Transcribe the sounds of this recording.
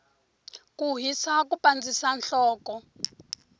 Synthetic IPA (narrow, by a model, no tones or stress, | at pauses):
kuɦisakupand͡zisanɬɔːkɔ